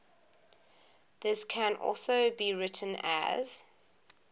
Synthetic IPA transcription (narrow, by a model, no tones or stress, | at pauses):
ðɪskʰə̃nʔɔ̰lˠsoʊbiɹɪtʰə̃nə̰z̥